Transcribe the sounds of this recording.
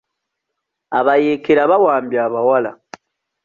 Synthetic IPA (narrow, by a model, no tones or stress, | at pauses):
aβajeːkeɾaβawaːmbjaːβawala̰